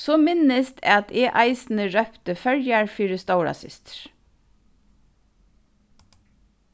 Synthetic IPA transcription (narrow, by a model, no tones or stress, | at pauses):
soːmɪnəst̪ʰɑt̪ʰeːʔɑɪsn̩əɹœpt̪əfœɹjɑɹfiːɹəst̪aʊɹɑ̰sɪ̰st̪ɹ̥